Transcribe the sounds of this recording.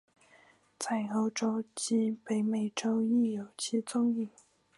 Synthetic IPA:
t͡sʰa˥˩ɪo˧˥ʊʈ͡ʂo˥ʊt͡ɕi˥pe˧˥ɪme˨˩ɪʈ͡ʂo˥ʊi˥˩jo˨˩ʊt͡ɕʰi˥t͡sʊ˥˧ŋi˥˩

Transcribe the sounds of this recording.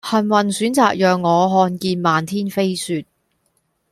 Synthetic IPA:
hɐ˨˩nwɐ˨˩nsyː˨˥nt͡saː˨k̚jœː˨ŋːɔː˨˧ɦɔː˧nkiː˧nmaː˨˧nt̪ʰiː˥nfe˥jsyː˧t̚

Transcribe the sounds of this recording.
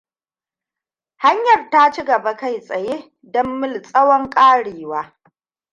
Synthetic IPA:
ha˦ɲjɐ˨rta˦t͡ʃi˦ɡɐ˨ba˦ka˦jsʼɐ˨jeː˦ | dɔ˦mːɪ˦lsʼɐ˦wɔ˦ŋkʼaː˦ɽeː˨waː˦

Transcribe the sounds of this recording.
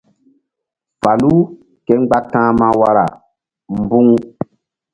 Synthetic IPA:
fa˨lu˦ | kɛ˦ŋ͡mɡ͡ba˦tãː˦mã˦wa˦ɾa̰˨ | m̩˨bu˦ŋ

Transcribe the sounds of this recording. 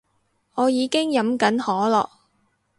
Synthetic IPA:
ɔː˨˧jiː˨˧kɪ˥ŋjɐ˨˥mkɐ˨˥nhɔː˨˥lɔ̰ː˨k̚

